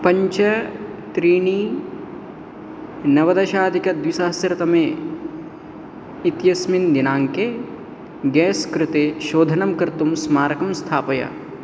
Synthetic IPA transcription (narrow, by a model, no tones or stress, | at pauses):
pɐɲt͡ʃɐ | t̪ɾiːɳiː | nɐʋɐd̪ɐʃaːd̪ʱikɐd̪ʋisaːsɐɾɐt̪ɐmeː | it̪jɐsmind̪inaːŋke | ɡɛːskɾɪt̪eːʃoːd̪ʱɐnɐmkɐɾt̪umsmaːɾɐkɐmst̪ʰaːpɐjɐ̰